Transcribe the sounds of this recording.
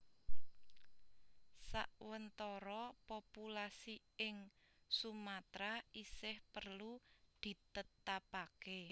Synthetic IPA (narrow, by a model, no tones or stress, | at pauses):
sa̰ʔwənt̪ɔɾɔpopulasi | ɪŋsumat̪ɾaʔisɪhpərlud̪̥i̤t̪ət̪apake